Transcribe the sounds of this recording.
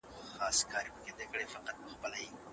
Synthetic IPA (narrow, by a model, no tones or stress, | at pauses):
xɑskʰɑɾipəked̪ekəɽefaqat̪̚pəxpəlaji